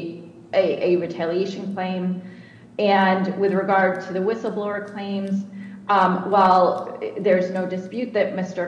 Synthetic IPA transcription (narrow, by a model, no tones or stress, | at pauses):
ʔɨʔɨɹɨtʰælˠieɪʃɨ̃n̩kʰl̥ẽɪ̃m | ɨ̃nwɨðɹɨɡɑɹd̚tʰɨðɨwɪsl̩ˠblɔə˞kʰl̥ẽɪ̃mz | waɪlˠðə˞znoʊdɨspjʉt̪̚ðɨt̚mɪstə˞